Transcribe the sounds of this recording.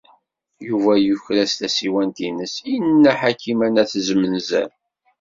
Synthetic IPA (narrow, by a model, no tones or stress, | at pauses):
juvæjuçɾæst̪æsiwænt̪inəsinːaħakʰimænæθzmənzæ̰n